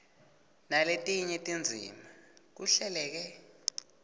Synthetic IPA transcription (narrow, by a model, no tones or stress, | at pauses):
naletʼiɲɛtʼind͡zʱḭːmak̬uɬɛlɛːk̬ɛ